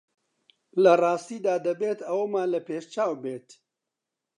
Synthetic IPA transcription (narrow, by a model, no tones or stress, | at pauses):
lɐrɑːst̪iːd̪aːd̪ɐbeːt̪ɐwɐmaːlɐpeːʃt͡ʃaːwbeːt̪